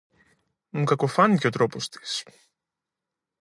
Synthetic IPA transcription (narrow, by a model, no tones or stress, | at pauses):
mukɐko̞fɐniceo̞t̪ɾopo̞st̪i̥s